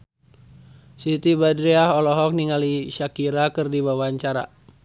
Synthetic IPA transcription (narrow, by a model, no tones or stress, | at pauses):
sit̪ibadɾiaɦɔlɔɦɔk̚niŋaliʃakiɾakɨrdibawaɲt͡ʃaɾa̰